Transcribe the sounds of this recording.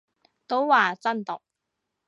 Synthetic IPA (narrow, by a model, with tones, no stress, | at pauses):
t̪o˨˥wwaː˨t͡sɐ˥nt̪o˨k̚